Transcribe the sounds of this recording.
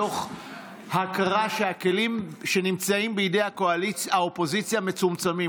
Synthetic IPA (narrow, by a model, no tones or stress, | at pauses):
o̞χ | hakaʁaʃe̞hake̞limʃe̞nimt͡saimbeidejhako̞aliaopo̞zit͡sjame̞t͡sumt͡sami